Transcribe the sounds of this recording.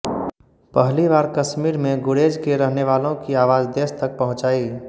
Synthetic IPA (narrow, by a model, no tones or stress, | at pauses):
pəɦliʋaːɾkəʃmiːɾmẽɡʊɽeːd͡ʒkeɾəɦneʋaːlõkiaːʋaːd͡ʒd̪eːst̪ɐk̚pɐɦʊ̃t͡ʃaːi